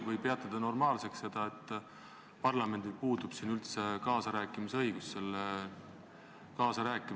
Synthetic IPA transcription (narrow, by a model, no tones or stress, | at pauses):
vɤjpe̞ɑt̪ːˑɑd̪̥ɑno̞rmɑːlse̞ksse̞d̪̥ɑe̞t̪ˑː | pɑrlɑme̞nd̪ilpuːd̪̥ub̥sinylt̪se̞kɑːsɑɾæːkːˑimiseɤ̞jɡ̥usːe̞l | kɑːsɑɾæːkːˑim